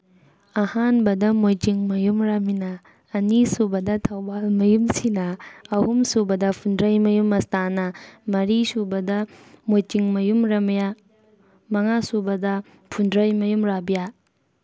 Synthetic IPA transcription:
ɐhanbɐdɐmojtiŋmɐjumɾaminɐː | nisubɐdɐtʰɐwbalmɐjumsinɐɐhumsubɐdɐpʰundɾɐjmɐjumɐstanɐmɐɾisubɐdɐmojtiŋmɐjumɾɐmɐja | mɐŋasubɐdɐ | pʰundɾɐjmɐjumɾabija

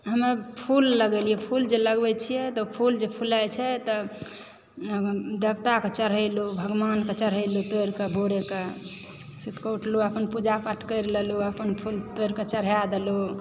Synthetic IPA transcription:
ɦəmepʰulːəɡelijɛpʰuld͡ʒeləɡbɛt͡ʃʰijɛt̪ɔpʰuld͡ʒepʰulajt͡ʃʰɛt̪ɔ | d̪əbt̪aket͡ʃəɾɦəlubʱəɡmanket͡ʃəɾ̤əɪlut̪oɾkebʱoɾeke | sit̪ʰkouʈʰluəpənpud͡ʒapəʈʰkəjɾleluəpənpʰult̪ojɾket͡ʃəɾ̤jad̪elu

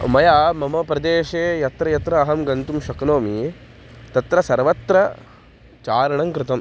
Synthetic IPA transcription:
mɐjaːmɐmɐpɾɐd̪eːʃeːjɐt̪ɾɐjɐt̪ɾɐːɦɐmɡɐnt̪umʃɐknoːmi | t̪ɐt̪ɾɐsɐɾʋɐt̪ɾɐ | t͡ʃaːɾɐɳɐŋkɾɪt̪ɐm

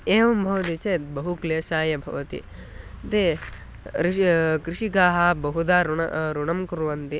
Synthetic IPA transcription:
eːʋɐmbʱɐʋɐt̪it͡ʃeːt̪bɐɦukleːʃaːjɐbʱɐ̰ʋɐt̪ḭ | t̪e | ɾikɾiʂiɡaːɦɐbɐɦud̪aːɾuɐ̰ɾuɳɐmkuɾʋɐnt̪i

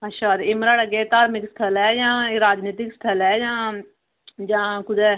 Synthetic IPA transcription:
ɐʃʰaːɾɪmɾaːɽəɡeːt̪aːɾmɪkst̪ʰəlɛːjãːɾaːd͡ʒniːt̪ɪkst̪ʰəlɛːjãː | d͡ʒãːkʊd̪ɛː

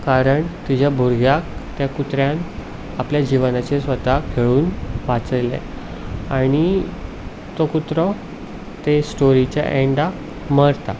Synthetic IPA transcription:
kaɾəɳt̪id͡ʑabʱuɾɡjak̚t̪jakut̪ɾjan | apljad͡ʑiʋənat͡ɕesʋət̪akʰeɭuːnʋat͡səlḛ | aɽ̃i | t̪okut̪ɾɔ | t̪esʈoɾit͡ɕja̰ʔeɳɖa | məɽt̪a

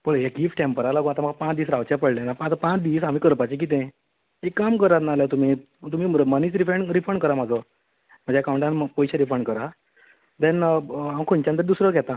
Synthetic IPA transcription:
boɭejaɡifʈʈempəɾalaɡũat̪am̤əɡapãt͡sd̪iːsɾaʋt͡ɕãpəɽljanapə̃at̪apãt͡sd̪iːsɦamiːkəɾpat͡ɕek̬it̪̬ɛ̃ | ekːamkəɾat̪naːljat̪um̤i | t̪um̤iːməməniːt͡sɾifɾeɳɾifəɳɖkəɾamad͡zə | m̤ə̃d͡ʑeakaw̃ɳʈanpɔjɕaɾifəɳkəɾa | d̪ɛ̃nəaə̃kʰont͡ɕãənt̪əɾd̪usɾəɡɛt̪ã

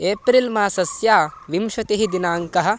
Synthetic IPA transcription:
eːpɾilmaːsɐsjaːʋimʃɐt̪eɦid̪inaːŋkɐɦɐ̆

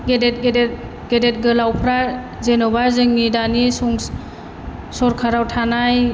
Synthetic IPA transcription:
ɡedet̚ɡed | ɡ̥edet̚ɡɯlawpʰɾa | zenɔbazɯŋːidanisɔŋ | sɔɾkʰaɾawtʰanaj

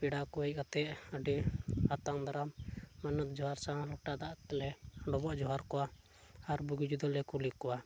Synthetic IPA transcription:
piɽakɔɛc̚kat̪ɛʔəɖiat̪aŋd̪aɾamːanət̪̚d͡ʒɔɦaɾsãlɔʈad̪aʔt̪lɛɖɔbɔʔd͡ʒɔɦaɾkɔwa | aɾbuɡid͡ʒud̪əllɛkulikːɔwa

